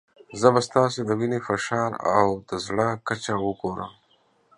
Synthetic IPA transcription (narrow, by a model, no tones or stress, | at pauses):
zəbast̪ɑːsed̪əwinefaʃɑːɾa̰wd̪əzɽakat͡ʃawəkoːɾəm